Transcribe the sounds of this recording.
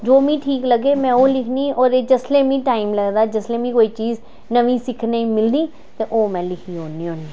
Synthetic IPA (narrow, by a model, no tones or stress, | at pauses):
d͡ʒoːmĩːʈʰiːkləɡeːmɛ̃ːoːlɪkʰniːɔːɾeːd͡ʒəsleːmĩːʈaːɪmləɡd̪aːd͡ʒəslẽːmĩːkoːiːt͡ʃiːz | nəʋĩːsɪkʰneimɪld̪iː | t̪eːʔoːmɛ̃ːlɪkʰiːɦoːniːoːniː